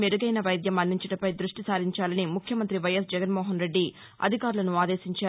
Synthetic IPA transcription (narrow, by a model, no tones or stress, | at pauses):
meɾuɡɐjnɐʋɐjd̪jɐmɐnːiɲt͡ʃɐɽɐmpɐjd̪ɾuʂʈisaːɾiɲt͡ʃaːlɐnimukʰjɐmɐnt̪ɾiʋɐjɐs̬d͡ʒɛɡɐnmɔːɦɐnɾe̞ɖːi | ɐ̰d̪ʱikaːɾulɐnuaːd̪e̞ːsiɲt͡ʃaː